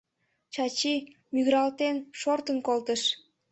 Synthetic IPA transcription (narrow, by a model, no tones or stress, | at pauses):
t͡ɕɑt͡ɕi | myɣɾɑlt̪enʃort̪ənkolt̪əʃ